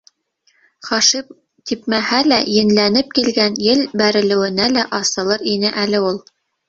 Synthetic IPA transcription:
χɑʃip | t̪ip̚mæhælæjɘ̆nlænɘp̚kilɡænjɘlbæɾɘ̆lɘ̆wɘ̆nælæʔɑsɤ̆lˠɤɾinɘʔælɘulˠ

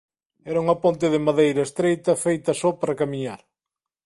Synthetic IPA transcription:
ɛɾɐuŋɐpont̪ɪðɪmaðejɾɐest̪ɾejt̪ɐfejt̪ɐsɔpaɾɐkamiɲaɾ

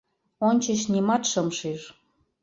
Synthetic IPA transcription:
onʲt͡ɕə̆ɕnʲimɑt̪ʃɤmʃiʃ

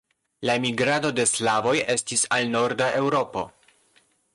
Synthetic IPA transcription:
laemiɡɾado̞de̞slavo̞je̞stisalno̞ɾdaʔe̞wɾo̞po̞

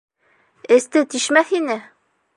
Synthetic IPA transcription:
ɘ̆st̪ɘt̪iʃmæθinɘ

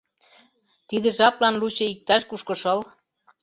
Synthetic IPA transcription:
t̪id̪ə̆ʒɑplɑnlut͡ɕɤ̆ik̚t̪ɑʃkuʃkɤ̆ʃɤ̆l

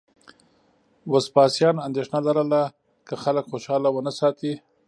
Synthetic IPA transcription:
waspɑsjɑnand̪eʂnalaɾala | kəxaləkxoʃɑlawənasɑt̪i

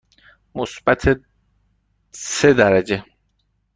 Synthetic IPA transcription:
mosb̥æt̪ʰe | sed̪æɾæd͡ʒe

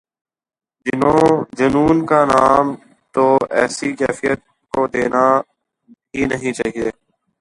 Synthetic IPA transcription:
d͡ʒɪnõd͡ʒənuːnkanaːm | t̪oːɛ̰ːsikɛːfijət̪̚ | kod̪eːna | ɦiːnəɦĩt͡ʃa̰ːɦieː

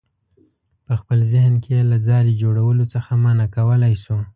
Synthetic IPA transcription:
pəxpəlzɪhnkejelad͡zɑɾed͡ʒoɽawəlot͡səxamɑnakawəlajsu

